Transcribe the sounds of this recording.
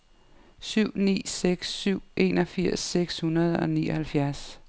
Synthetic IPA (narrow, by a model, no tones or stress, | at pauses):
syʊ̰nḭːseɡ̥sːyʊ̰ʔe̝̰ːnɒ̽fiɐ̰seɡ̥shunɐð̞ˠɒ̽niːɒhælfjæɐs